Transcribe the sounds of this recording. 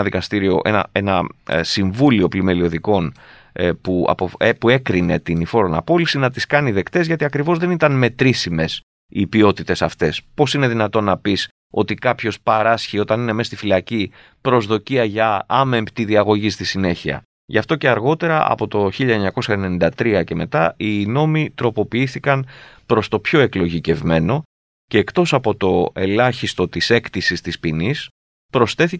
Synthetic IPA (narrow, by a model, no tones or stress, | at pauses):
ɐðikɐst̪iɾio̞̰ʔe̞̰nɐ̰e̞nɐsiɱvulio̞plime̞lio̞ðiko̞n | puɐ̰poepue̞kɾine̞t̪inifo̞ɾo̞nɐ̰po̞lisinɐt̪iskɐniðe̞kt̪e̞zʝɐt̪iɐkɾivo̞zðe̞nit̪ɐnme̞t̪ɾisime̞s | ipio̞t̪it̪e̞sɐft̪e̞spo̞sine̞ðinɐt̪o̞nːɐpis | o̞t̪ikɐpço̞spɐɾɐsçio̞t̪ɐnine̞me̞st̪ifilɐci | pɾo̞zðo̞ciɐʝɐɐme̞mpt̪iðiɐɣo̞ʝist̪isine̞çiɐ̰ | ʝɐft̪o̞ce̞ɐɾɣo̞t̪e̞ɾɐɐ̰po̞t̪o̞çiʎɐeɲɐko̞sɐenenĩnd̪ɐt̪ɾiɐce̞me̞t̪ɐino̞mit̪ɾo̞po̞piiθikɐnpɾo̞st̪o̞pço̞e̞klo̞ʝice̞vme̞no̞ | ce̞ːkt̪o̞sɐpo̞t̪o̞e̞lɐçist̪o̞t̪ise̞kt̪isist̪ispinis | pɾo̞sθe̞θi